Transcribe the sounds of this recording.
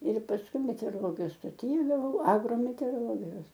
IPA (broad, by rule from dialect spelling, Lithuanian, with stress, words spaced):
ɪr pɐsˈkʊɪ mʲɛtʲɛoːroːˈlˠoːɡʲɪjoːs stoːˈtʲiː ɡɐˈʋɐʊ ɐɡroːmʲɛtʲɛoːroːˈlˠoːɡʲɪjoːs